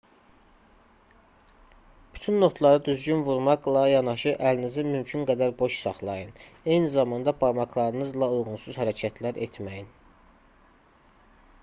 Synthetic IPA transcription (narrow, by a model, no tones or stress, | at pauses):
b̥y̥t̪ʰynːo̞t̪ʰlˠɑɾɯd̪yzɟynvuɾmɑqlˠɑjɑnɑʃɯʔælinizimymcʰynɡæd̪æɾbo̞ʃsɑχlˠɑjɯne̞jnizɑmɑnd̪ɑbʰɑɾmɑklˠɑɾɯnɯzlˠɑujʁunsuz̥hæɾæcʰæt̪ʰlæɾʔet̪ʰmæjin